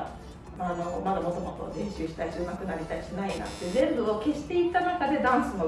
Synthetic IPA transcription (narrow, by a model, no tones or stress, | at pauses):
anomad̪amot̪omot̪o̞̰zẽ̞ɰ̃ɕɨːɕi̥t̪aiɕɨːmakɯ̟naɾʲit̪aiɕinaina̰t̪ːezẽ̞mbɯ̟ake̞ɕi̥t̪e̞it̪ːanakad̪e̞d̪ãɰ̃sɨno